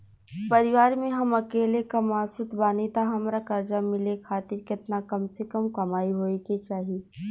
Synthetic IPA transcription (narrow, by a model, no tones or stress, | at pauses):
pɐɾɪʋaːɾmẽɦɐmɐkeːlekamaːsʊt̪baːnit̪aɦɐmɾakɐɾd͡ʒamɪlekʰaːt̪ɪɾkɪt̪nakɐmsekɐmkɐmaːiɦoːeket͡ʃaːɦieː